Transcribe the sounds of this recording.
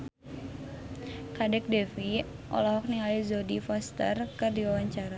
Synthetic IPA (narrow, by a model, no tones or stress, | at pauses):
kadɛk̚dɛfiʔɔ̰lɔɦɔk̚niazodifɔst̪ə̰rkɨrdiwawaɲt͡ʃaɾa